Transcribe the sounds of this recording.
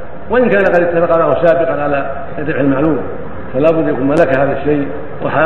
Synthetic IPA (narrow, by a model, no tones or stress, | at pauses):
waʔɪnkaːnaqɑd̪ɪt̪ːafɑqːɑnahʊsaːbɪqɑnʕala | rːɪbħalmaʕluːm | falaːbʊd̪jakuːnmalakahaːðaʃːaj | wa̰ħa